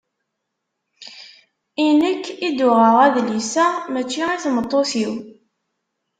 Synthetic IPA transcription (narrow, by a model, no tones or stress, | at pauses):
inəkːid̪ʊʁəʁˤæðlisæmæt͡ʃːiiθmət̪ˤːoθiw